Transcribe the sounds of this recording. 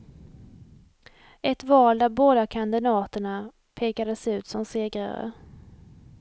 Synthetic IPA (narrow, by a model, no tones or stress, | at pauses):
ɛt̪vɑːld̪æɾboːd̪akʰand̪ɪnɑːt̪əɳa | pʰeːkad̪əsʉ̟ːt̪sɔmseːɡɾa̰ɾə̰